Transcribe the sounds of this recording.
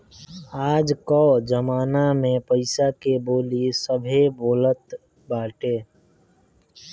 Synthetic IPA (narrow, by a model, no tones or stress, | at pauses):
aːd͡ʒkɔːd͡ʒəmaːnamẽpəɪsakeboːlisəbʱeboːlət̪ | baːʈeː